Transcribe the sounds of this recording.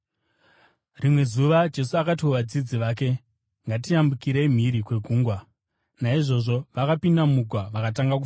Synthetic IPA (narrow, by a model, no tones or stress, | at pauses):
rimwe̞zuʋad͡ʒe̞suakat̬ioʋad͡zid͡ziʋaːke̞ | ŋɡatiambukiɾem̤iɾikwe̞ɡʱuːŋɡwa | naiʐo̞ʐo̞ʋakapindamuɡʱwaʋakat̬aŋɡakuf